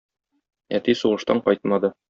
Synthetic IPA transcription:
æt̪isuʁɤ̆ʃt̪ɑɴqɒjt̪̚mɑd̪ɤ

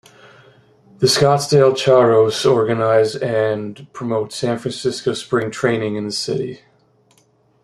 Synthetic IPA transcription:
ðɨskɑtsd̥eɪlˠt͡ʃʰɑɹoʊsɔɹɡɨnaɪzɨ̃npʰɹ̥əmoʊtsæ̃nfɹæ̃nsɪskoʊspɹɪ̃ŋtʰɹ̥ẽɪ̃nɪ̃ŋɨ̃nðɨsɪ̰ɾḭ

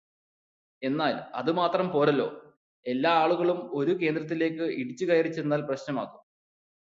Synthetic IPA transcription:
e̞nːaːlɐ̰ðɨmaːt̪rɐmpo̞ːɾɐlːo̞̰ː | e̞lːaːaːɭuɣɐɭumo̞ɾuke̞ːnd̪ɾɐt̪̬ːile̞ːkːɨiɽit͡ɕːukɐjɐrit͡ɕːenːaːlprɐɕnɐmaːɣum

